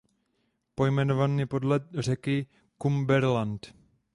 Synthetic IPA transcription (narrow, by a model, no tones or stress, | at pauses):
pojmɛnovaniːpodlɛt̪r̝ɛkɪ | kumbɛɾlant̪